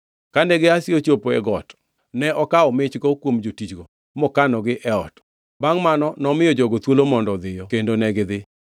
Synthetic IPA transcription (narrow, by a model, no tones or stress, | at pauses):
kandɛɡɪasɪot͡ʃopoɛɡɔt | nɛʔɔkaɔmɪt͡ʃɡɔkwomd͡ʒotit͡ʃɡɔ | mɔkanɔɡɪʔɛɔ̰t | baŋmanɔnɔmɪɔd͡ʒɔɡot̪wolomɔndɔd̪ɪjɔkendonɛɡɪd̪ɪ